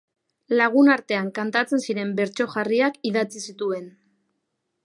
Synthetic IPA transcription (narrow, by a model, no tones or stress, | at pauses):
laɣ̞unaɾt̪e̞aŋkant̪at͡se̞nsiɾe̞mbe̞ɾt͡so̞ʝariakiðat͡sisit̪ue̞n